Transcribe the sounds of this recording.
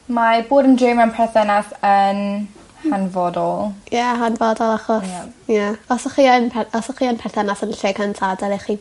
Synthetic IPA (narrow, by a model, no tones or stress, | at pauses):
maboːdəndrɪmənpʰɛθɛnasən | hanvɔdɔlˠjɛɦanvɔdɔlˠaχɔsjaɔsɔχiənpʰɛɔsɔχiːənpʰɛθɛnasɔdəɬɪɡantʰadɛliχi